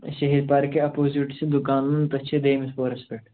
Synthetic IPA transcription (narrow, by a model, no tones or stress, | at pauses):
ʃɐɦid̪̚paːɾkeɐpoːzuʈised̪ʊkaːnɐnt̪ɐt͡ʃʰed̪eːmispoːɾɐspeʈ